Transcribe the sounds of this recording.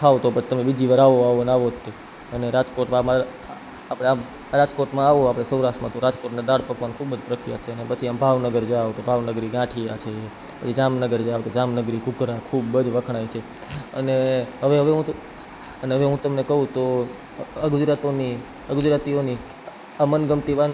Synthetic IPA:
t̪ʰaʋot̪ʰopət͡ʃʰt̪əmebid͡ʒiʋaɾaʋoaʋənaʋot̪ːe | əneɾad͡ʒkoʈmãmaɾ | apɽ̃am | ɾad͡ʒkoʈmãaʋoapɽ̃esəwɾaʃʈmãt̪oɾad͡ʒkoʈnad̪aɽpəkʋankʰubd͡ʒpɾəkʰɾija̰t͡ʃʰeənepət͡ʃʰiambʱaʋnəɡəɾd͡ʒoaʋot̪obʱaʋnəɡɾiɡãʈʰijat͡ʃʰee | pət͡ʃʰid͡ʒamnəɡəɾd͡ʒaot̪od͡ʒamnəɡɾikʊkɾakʰubːəd͡ʒʋəkʰɽ̃ajt͡ʃʰe | əneɦəʋeɦəʋeɦũ | əneɦəʋeɦũt̪əmnekəɦũt̪o | ɡʊd͡ʒɾat̪oni | əɡʊd͡ʒɾat̪ioni | amənɡəmt̪iʋan

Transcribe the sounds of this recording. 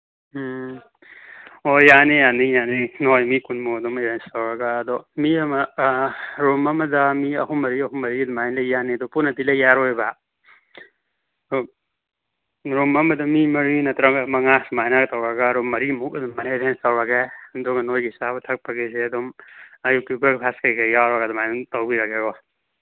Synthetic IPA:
ojanijanijaninojmikunmuɐdumedenstɐwɾɐɡaːdɔmiɐmɐ | ɾumɐmɐdɐmiɐɦumɐɾiɐɦumɐɾiɐdumajnlɐjjaniɐdɔpunɐdilɐjːaɾojba | dɔ | ɾumɐmɐdɐmimɐɾinɐt̪ɾaŋɡɐmɐŋasmajnaɡɐtɐwɾɐɡadɔmɐɾimukɐdumanedenstɐwɾɐɡendɔɡɐnojɡisabɐtʰɐk̚pʰɐɡeseɐdɔmɐjukjubaɡpʰaskɐjɡejawɾaɡadumajnumtawbiɾaɡeɾɔ

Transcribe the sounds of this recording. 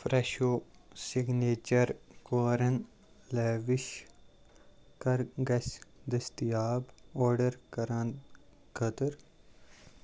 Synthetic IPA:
fɾɛʃoːsɪɡneːt͡ʃəɾkoːɾɐn | lɛːʋɪʃ | kɐɾɡɐsd̪ɐst̪ijaːbɔːɾɖəɾkɐɾaːn | kʰɐt̪əɾ

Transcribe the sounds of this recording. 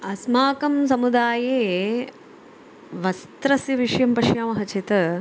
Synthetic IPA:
ɐsmaːkɐms̬ɐmud̪aːjeː | ʋɐst̪ɾɐsjɐʋiʂjɐmpɐʂjaːmɐɦɐt͡ʃit̪ɐ

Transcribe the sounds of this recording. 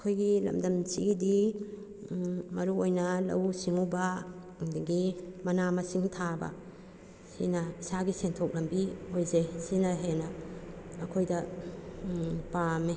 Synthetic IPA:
ɐkʰojɡilɐ̰mdɐmsḭɡidi | mɐɾuojnɐlɐ̰wsiŋubɐ | ɡimɐnamɐsiŋtʰabɐ̰ | sḭnɐisaɡisentʰok̚lɐmbiojzesinɐɦenɐː | kʰojdɐ | pame

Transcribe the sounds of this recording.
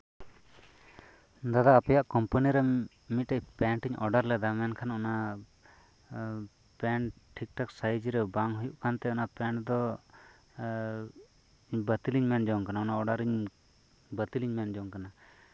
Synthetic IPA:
d̪ad̪aːpɛjaʔkɔmpaniɾɛ | mit̪əʔpɛɳʈiɲʔɔ̰ɾɖaɾlɛd̪amɛnkʰanɔna | pɛɳʈʰik̚ʈɔksajd͡ʒiɾɛbaŋɦujuʔkʰant̪ɛɔnapɛɳʈd̪ɔ | bət̪iliɲmɛnd͡ʒɔŋkanaɔnaɔɖaɾiɲ | bət̪iliɲmand͡ʒɔŋkana

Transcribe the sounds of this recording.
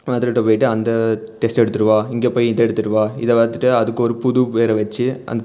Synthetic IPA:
ʋɐnd̪ɯɾɯʈːɯp̬oːjɪʈːɯɐnd̪ɐʈɛsʈɛɽɯt̪ːɯɾɯʋãːɪŋɡeːpoːjɪðɐɛɽɯt̪ːɯɾɯʋãːɪ̰ðɐʋɐɾt̪ːɯʈːɯɐðɯkːɯɔɾɯpʊðuʋeːɾɐʋɐt͡ʃːɯɐ̰nd̪

